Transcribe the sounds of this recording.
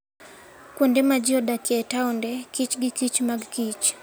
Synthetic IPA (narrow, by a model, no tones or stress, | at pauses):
kwɔndɛmad͡ʒiɔdakiɛtaundɛkit͡ʃɡikit͡ʃmaɡkit͡ʃ